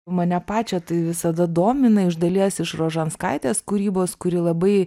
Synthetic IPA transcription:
mɐnʲɛpɑːt͡ʃʲɛt̪ɐɪʋʲɪsɐd̪ɐd̪oːmʲɪnɐɪʒd̪ɐlʲiɛsɪʃɾoːʒɐnskɐɪt̪ʲeːskuːɾʲiːboːskʊɾʲɪlˠɐbɐɪ

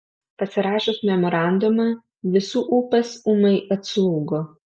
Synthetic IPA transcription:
pɐsʲɪɾɑːʃosmʲɛmɔɾɑˑnd̪ʊmɑː | ʋʲɪsuːʔuːpʲɛsuːmɐɪɐt̪slˠuːɡo

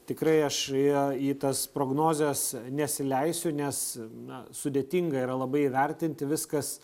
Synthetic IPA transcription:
t̪ʲɪkɾɐɪɐʃiiːt̪ɐspɾoːɡnoːzʲɛsnʲɛsʲɪlʲɛɪsʲʊnʲɛsnɐsʊd̪ʲeːt̪ʲiːŋɡɐiɾɐlˠɐbɐɪiːʋʲɛɾʲt̪ʲɪnʲt̪ʲɪʋʲɪskɐs

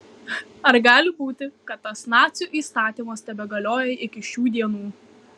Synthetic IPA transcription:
ɐɾɡɑːlʲɪbuːt̪ʲɪkɐt̪ːɐsnɑːt̪sʲuːʔiːst̪ɑːt̪ʲiːmɐst̪ʲɛbʲɛɡɐlʲoːjɛɪkʲɪʃʲuːd̪ʲiɛnuː

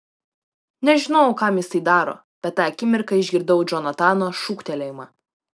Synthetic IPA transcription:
nʲɛʒʲɪnɐʊkɑmjɪsɐɪd̪ɑːɾo̰ː | bʲɛt̪ːɑːɐkʲɪmʲɪɾkɐɪʒʲɡʲɪɾd̪ɐʊd͡ʒʲɔnɐt̪ɑːnoːʃukt̪ʲɛlʲɛjmɑ

